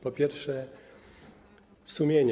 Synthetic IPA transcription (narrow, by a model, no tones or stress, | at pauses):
pɔpʲjɛɾfʂɛ | sumʲjeɲ